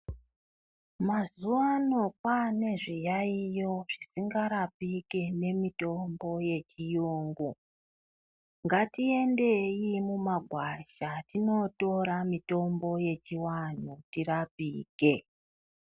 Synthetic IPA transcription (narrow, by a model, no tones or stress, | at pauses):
mazuwano̞pane̞ʐijaijo̞ʐ̥isiŋɡaɾapike̞ne̞mito̞mbo̞je̞t͡ʃijoːŋɡu | ŋɡatie̞nde̞imumaɡʱwaʃatino̞to̞ɾamito̞mbo̞je̞t͡ʃiwan̤utiɾapiːke̞